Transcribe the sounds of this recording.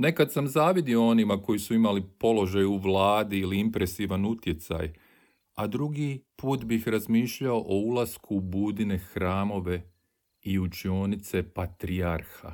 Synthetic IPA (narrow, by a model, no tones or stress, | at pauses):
ne̞kad̪samzaːʋid̪ioo̞nimako̞jisuimalipo̞lo̞ʒajuʋlaːd̪iiliimpɾe̞siːʋanut̪je̞t̪sa̰j | ad̪ɾuɡipuːt̪bixɾazmiːʃʎao̞ʔoulˠaskʰubuːd̪ine̞xɾaːmo̞ʋe̞ | iut͡ʃio̞nit̪se̞pat̪ɾiaɾxa̰